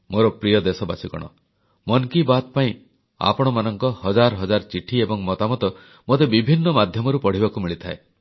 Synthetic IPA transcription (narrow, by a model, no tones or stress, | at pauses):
moɾɔpɾijɔd̪esɔbasikɔ̰ɽ̃ɔ̰ | mɔnkibat̪̚paĩ | a̰pɔɽ̃ɔmanɔŋkɔhɔd͡ʒaɾɦɔd͡ʒaɾt͡ʃiʈʰiebɔŋmɔt̪amɔt̪ɔ | mot̪ebibʱinːɔmad̪ʱjɔmɔɾupɔɽ̤ibakumiɭit̪ʰae